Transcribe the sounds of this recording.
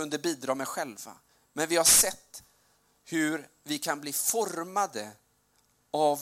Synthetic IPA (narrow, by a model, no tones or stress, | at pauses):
ɵnd̪əbiːd̪ɾɑːmɛɧɛlva̰ | mɛnvɪhaʂɛt̪ː | hɵɾ | vɪkʰanbliːfɔɾmad̪ə | av